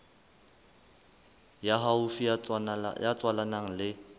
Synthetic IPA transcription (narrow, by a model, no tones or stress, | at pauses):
jaɦaʊfi | jat͡sʼwalanaŋ̩lɪ